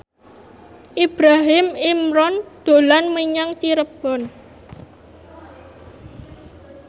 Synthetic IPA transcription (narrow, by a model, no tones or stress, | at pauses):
ʔib̥ɾaɦɪmimɾɔnd̪̥o̤lanmiɲaŋt͡ʃiɾəb̥ɔn